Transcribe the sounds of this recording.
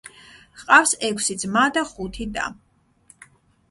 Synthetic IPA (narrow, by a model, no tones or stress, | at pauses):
qʼafsɛkʷʰsid̪zmad̪aχut̪ʰid̪a̰